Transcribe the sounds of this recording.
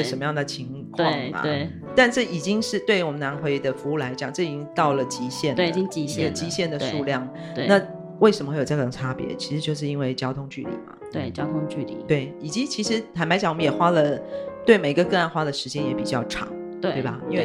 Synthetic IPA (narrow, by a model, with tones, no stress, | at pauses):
ə˧˩ʂə˧˥nmə˧jɑ˥˩d̪ə˩t͡ɕʰi˧˥ŋ | kʰwɑ˥˧bɐ̰˩w | t̪a˥˧nʈ͡ʂɤ˥˩i˨˩t͡ɕi˥ŋʂɻ̩˥˧t̪we˥˩ɪwɔ˨˩mə˦na˧˥nxwe˧˥ɪ˧d̪ə˨fu˧˥u˥˩la˧˥ɪt͡ɕjɑ˨˩ŋʈ͡ʂɤ˥˩i˨˩t͡ɕi˥ŋt̪ɑ˥˩ʊlə˩t͡ɕi˧˥ɕjɛ˥˩n˨i˥ŋi˥ɡə˨t͡ɕi˧˥ɕjɛ˥˩nd̪ə˩ʂu˥˧ljɑ˥˩ŋ˧ | na˥˨ | we˥˩ʂə˧məxwe˥˩jo˨˩˥t̪ɤ˥˨˩ʈ͡ʂʰa˥pjɛ̰˧˥˦t͡ɕʰi˧˥ʂɻ̩˧˥t͡ɕjo˥˧ʊʂ̬ɻ̩˥˧i˥nwe˥˩ɪt͡ɕjɑ˥ʊt̪ʰʊ˥ŋt͡ɕy̰˥˩lḭ˨˩mɐ̰˩we˥˩t͡ɕjɑ˦ʊt̪ʰʊ˥ŋt͡ɕy˥˧˩lḭ˨˩we˥˩ɪi˨˩t͡ɕi˧˥t͡ɕʰi˧˥ʂɻ̩˧˥xa˧˥nma˧˥ɪt͡ɕɑ˨˦ŋwɔ˨m˧˦jɛ˨˩xwa˥lə˨t̪we˥˩ɪme˨˩ɪi˥ɡə˧kɤ˥˧a˥˧nxwa˥d̪ə˨ʂɻ̩˧˥t͡ɕjɛ˥njɛ˧˥pi˨˩t͡ɕjɑ˥˩ʊʈ͡ʂʰɑ̰˨˩˦ŋ | t̪we˥˩bɐ˨˩i˥nwe˥˩ɪ